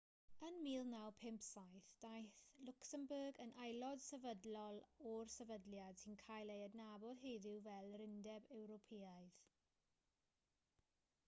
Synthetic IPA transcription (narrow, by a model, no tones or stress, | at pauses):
ənmiːlˠnawpʰɪmpsajθd̥ajθlʊksəmbəːɡənʔajlˠɔd̥sɛvədlɔlˠɔrsɛvədljad̥sinkʰajlˠejədnabɔd̥ɦeːðɪwvɛlˠɾɪndɛbɛwɾɔpʰiaɨð